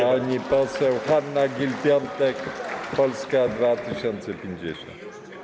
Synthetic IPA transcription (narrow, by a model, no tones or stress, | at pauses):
aɲipɔsɛwxanːaɡʲilpʲjɔnt̪ɛkpɔlskad̪vat̪ɘɕɔnt̪sɛpʲjeɲd͡ʑɛɕɔ̰nt̪